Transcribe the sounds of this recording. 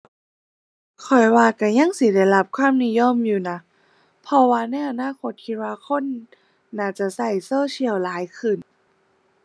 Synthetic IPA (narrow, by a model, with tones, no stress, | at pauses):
kʰɔ˨˩jwaː˧ka˧˩ɲa˧˥˩ŋsi˧˦da˧˩jla˧p̚kʰwaː˥˨mni˧˥˨jo˧˥˨mjuː˧˩na˧˥ | pʰɔ˧waː˧na˧˥˩jʔa˧naː˧˥˨ko˧˦t̪̚kʰi˧t̪̚waː˧kʰo˧˥˨nː | aː˧˩t͡ɕa˧˩sa˧˩jsoː˧˥˨t͡ɕi˧˨əwlaː˨˦jkʰɯ˧˩˨n